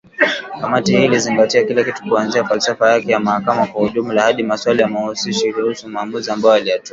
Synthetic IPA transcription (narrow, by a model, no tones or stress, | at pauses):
kamatihiːliziŋɡatiakilakitu̥kuanziafalsafajakɛjamahakamakwahuʄumulahaɗimaswalijamausiʃiɾuhusumaːmuziambajɔalijatua